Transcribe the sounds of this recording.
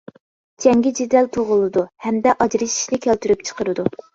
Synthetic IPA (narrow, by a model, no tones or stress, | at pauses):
d͡ʒʰɛŋɡʲɪd͡ʒid̪ælt̪ʰuʁʊlˠɨd̪uhɛmd̪ɛʔɑd͡ʒɾɨʃi̥ʃlɪkʲʰælt̪yɾyp̚t͡ʃʰə̥qəɾɨd̪u